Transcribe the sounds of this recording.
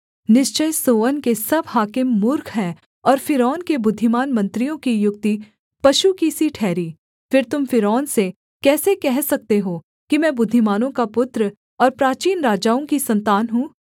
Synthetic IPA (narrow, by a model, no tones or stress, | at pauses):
nɪʃt͡ʃəjsoːʋənkesɐbɦaːkɪmːʊɾkʰɦɛ̃ː | ɔːɾfɪɾɔːnkebʊd̪ʱːɪmaːnmɐ̃nt̪ɾijõkijʊk̚t̪i | pɐʃukisiʈʰɛːɾiː | fɪɾt̪ʊmfɪɾɔːnse | kɛːsekɛɦsɐk̚t̪eɦoː | kimɛ̃ːbʊd̪ʱːɪmaːnõkapʊt̪ɾ | ɔːɾpɾaːt͡ʃiːnɾaːd͡ʒaːõkisɐ̃nt̪aːnɦũː